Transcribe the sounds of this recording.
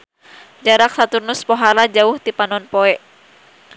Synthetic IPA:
d͡ʒaɾak̚sat̪urnʊspɔɦaɾad͡ʒaʊht̪ipanɔnpɔɛʔ

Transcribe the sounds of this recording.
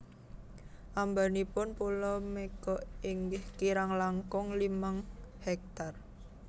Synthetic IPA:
ʔambanipʊnpulɔmekɔʔiŋɡɪhkiɾaŋlaŋkɔŋlimaŋhɛk̚t̪ar

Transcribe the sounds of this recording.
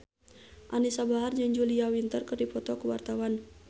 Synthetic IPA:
ʔanisabaɦard͡ʒaŋd͡ʒuliawint̪ərkərdipɔt̪ɔkuwa̰rt̪awan

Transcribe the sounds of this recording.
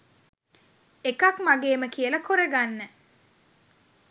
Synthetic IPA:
ekɐkmaɡeːməkiəlɐkoɾeɡanːə

